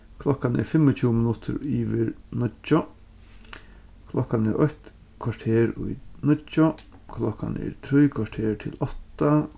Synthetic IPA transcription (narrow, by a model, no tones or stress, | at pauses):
kʰlɔkanɛ̰ɾfɪmɔt͡ɕʰuːmɪnʊt̪ʰʊ̰ɾiːʋɪɾnɔt͡ʃːɔ | kʰlɔkanɛ̰ɹʔɔht̪ | kʰʋaʈʰeːɾʊ̰jnɪt͡ʃɔkʰlɔka̰nɛ̰ɾt̪ʰɾijkʰʋaʈʰeːɹt̪ʰɪlɔt̪a